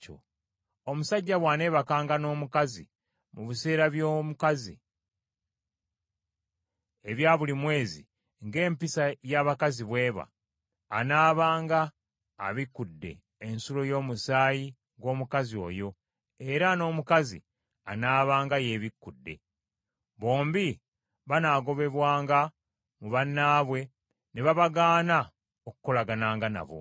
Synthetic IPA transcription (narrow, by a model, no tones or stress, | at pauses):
o̰ | omusaɟːaβwaːne̞ːβakaːŋɡano̞ːmukazḭ | muβise̞ːɾaβjomukazḭ | eβjaːβulimwe̞ːzi | ŋɡe̞ːmpisajaːβakaziβwe̞ːβa̰ː | naːβaːŋɡa̰ː | βikːudːe̞̰ː | nsulo̞jo̞ːmusaːji | ŋɡo̞ːmukazio̞̰jo̞ | e̞ɾano̞ːmukazḭ | anaːβaːŋɡaje̞βikːudːe̞̰ | βo̞ːmbi | βanaɡo̞βe̞βwaːŋɡa | muβanːaːβwe̞ | neβaβaɡaːna | oku̥ko̞laɡanaːŋɡana̰βo̞̰